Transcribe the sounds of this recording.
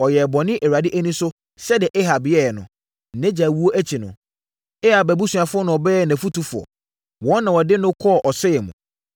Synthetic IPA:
ɔ˨jɛ˨bɔ̃˨nɪ̃˦ʔe˨ɾa˨dɪ˦ʔæ˦nĩ˦sʊ˦ | sɛ˦dɪ˨ʔɛ˦ɦa˨bɪ˨˦ɛ˦˨ɛ˨nʊ̰̃˨ | n̩˨nɛ̃˦d͡ʑa˨wu˦o˦ʔæ˦t͡ɕʰi˨nʊ̰̃˨ | ɛ˦ha˨bæ˨bu˦su˨a˨fʊ˦ɔ˦nʊ̃˨ɔ˨bɛː˦˨næ̃˨fu˦tu˦fʊ˨ɔ̰˨ | wɔ̃˦nnã˨wɔ˨dɪ˦nʊ̃˦kʰɔ˦˨ʔɔ˨sɛ˦jɛ˨mũ˨

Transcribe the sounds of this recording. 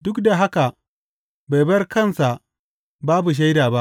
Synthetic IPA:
dʊ˦kda˨ɦa˦ka˨ʔ | ba˨jbɐ˦rkɐ˦˨nsa˨ʔ | baː˦bu˨ʃ̬a˦jdaː˨ba˦ʔ

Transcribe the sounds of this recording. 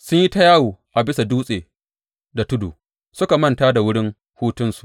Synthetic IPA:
sʊ˦ɲji˦ta˦jaː˦wuː˨ʔa˨bɪ˦sa˨duː˦sʼeː˨ | da˨tʊ˦dṵː˨ | sʊ˦ka˨mɐ˦ntaː˦da˨wʊ˦ɽɪ˦ŋ | huː˦tʊ˦nsu̥˨ʔ

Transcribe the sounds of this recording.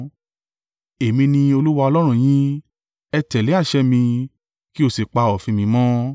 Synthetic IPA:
e˨mĩ˧nĩ˧o˧lu˦wa˧ɔ˧lɔ˦ɾ̃ũ˦˨j̃ĩ˦ | ɛ˧tɛ˨le˨˦a˦˨ʃɛ˦mĩ˧ | ki˦o˦˨se˨k͡pa˧ɔ˨fĩ˧mĩ˧˦mɔ̃˦

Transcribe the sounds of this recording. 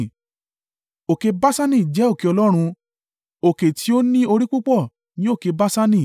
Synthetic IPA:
o˨ke˧ba˦sa˦nĩ˦˨d͡ʒɛ˨˦o˦˨ke˧ɔ˧lɔ˦ɾ̃ũ˧ | o˨ke˨tʰi˧˦o˦nĩ˦o˧ɾi˦k͡pu˦k͡pɔ˦˨ | nĩ˨˦o˦˨ke˧ba˦sa˦nĩ˦˨

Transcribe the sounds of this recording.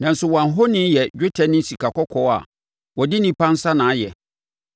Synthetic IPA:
nã˨n̩˨sʊ˨wɔ̃˨ã˨ɦo˦nɪ̃˦njɛ˨d͡ʑᶣo˦tʰɛ˨nɪ̃˦n̩˦si˨ka˨kɔ˦kʰɔ˦a̰˨ | wɔ˨dɪ˦nĩ˦pʰã˦n̩˦sa˦nãː˨˦jɛ˨

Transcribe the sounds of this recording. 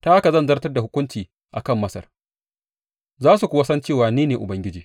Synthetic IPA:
ta˦ʔa˦ka˨zɐ˦˨nzɐ˦rtɐ˦rda˨hʊ˦kʷʊ˦nt͡ʃiː˨ | ʔa˨kɐ˦˨mːɐ˦sɐ̰˨r | zaː˦su˨kʷʊ˦wa˦sɐ˦nt͡ʃeː˦˨waː˨niː˦neː˨ʔʊ˨bɐ˦ŋɡʲɪ˦d͡ʒiː˨

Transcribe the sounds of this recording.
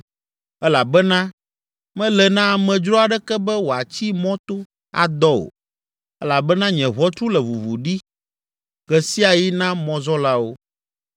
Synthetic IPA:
ɛ˦la˨bɛ˦nã˦ | mɛ̃˦lɛ˨nã˦˨mɛ̃˨d͡ʒɾɔ˦a˨ɖɛ˦kɛ˦bɛ˦wo˨a˨t͡ɕi˦mɔ̃˦t̪o˦ | a̰˨d̪ɔ˦o̰˨ | ɛ˦la˨bɛ˦nã˦ɲɛ̃˨βɔ˦t̪ɾu˦lɛ˨vu˨vu˨ɖi˦ | ɡɛ˨si˦a˨ji˦nã˦mɔ̃˦zɔ˦la˦wo˦

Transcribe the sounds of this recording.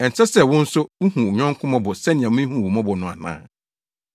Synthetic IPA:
ɛ˨n˨t͡sʰɛ˦sɛ˨wʊ̃˦n̩˦sʊ˦u˦hũ˨ɲᶣɔ̃˦ŋ˦kʰʊ̃˦mɔ̃˦bʊ˨sɛ˦nɪ̃˨ã˨mʊ̃˦ĩ˦hũ˨wɔ˨mɔ̃˦bʊ˨nʊ̃˨a̰˨nã̰ː˦

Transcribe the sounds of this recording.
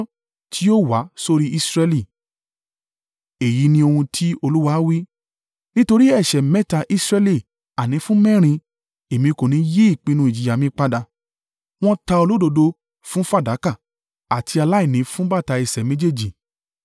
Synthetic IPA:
tʰi˦o˦wa˨˦so˧ɾi˦ʔi˦sɾɛ˧li˦˨ | e˨ji˨˦nĩ˧o˧hũ˧tʰi˦o˧lu˦wa˧˦wi˦ | nĩ˦to˧ɾi˦ɛ˦˨ʃɛ˨mɛ˦ta˧ʔi˦sɾɛ˧li˦˨ | a˨nĩ˨˧˦fũ˦mɛ̃˦˨ɾ̃ĩ˧ | e˨mĩ˧ko˨nĩ˨˦je˦i˦˨k͡pĩ˧nũ˧i˨d͡ʒi˨ja˨mĩ˧˦k͡pa˧da˧ | w̃ɔ̃˦ta˧o˧lo˦do˧do˧ | fũ˦fa˦˨da˨˦ka˦˨ | a˨tʰi˧a˧la˦i˦˨nĩ˨˦fũ˦ba˦˨ta˧i˨sɛ˨mẽ˦d͡ʒe˦˨d͡ʒi˨

